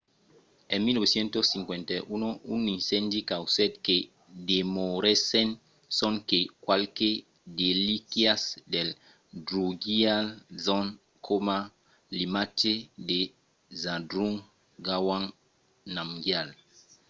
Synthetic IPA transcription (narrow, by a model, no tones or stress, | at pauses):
ẽmːiloβesjẽnt̪osĩŋkwẽnt̪aʔunoũnːĩnsɛ̃nd̪ikawsɛt̪ke | demoɾesẽn | sõŋkekwalke | delikjasdel | dɾuɡialzɔn | kʰoma | limat͡ʃede | zãdɾuŋ | ɡawãŋ | nãmɡjal